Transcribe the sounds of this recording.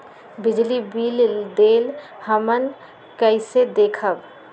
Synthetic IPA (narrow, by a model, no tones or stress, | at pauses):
bid͡ʒlibild̪el | həmən | kəɪsed̪ekʰəb